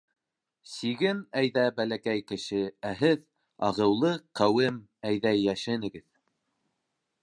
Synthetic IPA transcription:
siɡɘmæjðæbælækæjkɘ̆ʃɘæɦɘð | ɑʁɤ̆wlˠɤqæwɘm | æjðæjːæʃɘ̆nɘ̆ɡɘð

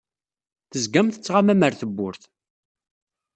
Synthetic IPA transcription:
θəzɡæmθə̥t͡sːʁamæməɾθəbːʊɾθ

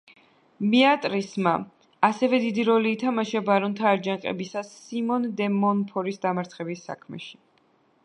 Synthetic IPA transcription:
miat̪ʼɾisma | asɛvɛd̪id̪iɾɔliːt̪ʰamaʃabaɾɔnt̪ʰaːɾd͡ʒaŋqʼɛ̰bisasːimɔnd̪ɛmɔnpʰɔɾisd̪amaɾt̪sʰχɛbisːa̰kʰmɛ̰ʃi̥

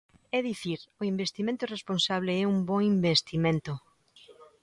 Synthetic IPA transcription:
ɛðiθiɾoimbest̪imẽnt̪ʊresponsaβ̞leɛumboŋimbest̪imẽnt̪o

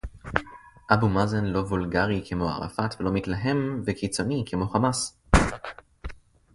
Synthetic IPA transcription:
ʔabumazenlo̞vulɡaʁikʰemo̞a̰ʁa̰fat̪velo̞mit̪laɦe̞mvekit͡so̞nikʰemo̞χamas

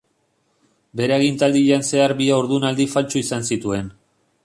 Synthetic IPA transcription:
be̞ɾeaɣint̪ald̪iʎanse̞aɾbiaoɾðunald̪ifalt͡ʃuisansit̪ue̞n

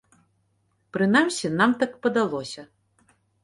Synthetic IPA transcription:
pɾɨnamsʲinamt̪akpɐd̪alˠɔsʲɐ

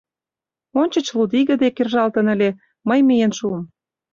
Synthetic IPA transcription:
onʲt͡ɕə̆t͡ɕlud̪iɣə̆d̪ekerʒɑlt̪ə̆nəlʲe | məjmijenʃuəm

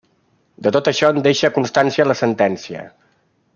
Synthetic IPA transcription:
d̪ət̪ot̪əʃɔənd̪eʃəkunst̪ansiələsənt̪ɛnsiə̰

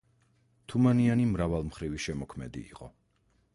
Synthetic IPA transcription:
t̪ʰumanianimɾavalˠmχɾiviʃɛmɔkʰmɛd̪ḭːqʼɔ̰

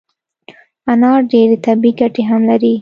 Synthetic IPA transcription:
anɑɾɖeɾet̪abiɡaʈeɦamlaɾi

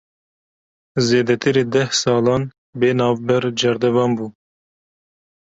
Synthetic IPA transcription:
zeːd̪ɛt̪ʰɨɾeːd̪ɛhsɑːlɑːn | beːnɑːvbɛɾd͡ʒɛɾd̪ɛvɑːnbuː

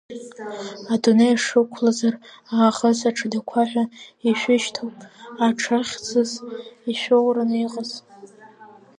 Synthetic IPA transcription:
adunejaʂɨkʷʰlazaraːχəsaʈ͡ʂʰadakʷʰaħʷᶣaiʃʷᶣɪʃtʰowpʼaʈ͡ʂʰaχʲt͡sʰɨziʃʷᶣowraniqʼəz

